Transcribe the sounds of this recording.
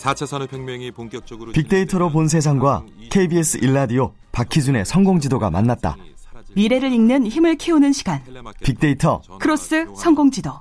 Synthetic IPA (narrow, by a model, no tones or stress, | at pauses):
at͡ɕʰ | pik̚t͈e̞itʰʌɾop̬ons̬ʰe̞s̬ʰaŋɡwa | kʰeibies͈ɯʔiɭːadio | pakʰid͡ʑune̞sʰʌŋɡoŋd͡ʑidoɡa̰ma̰nːat̚t͈a̰miɾe̞ɾɯɾiŋnɯnçimɯɭkʰeunɯnɕʰi̥ɡ̥anpik̚t͈e̞itʰʌ̰kʰɯɾos͈ɯsʰʌŋɡoŋd͡ʑido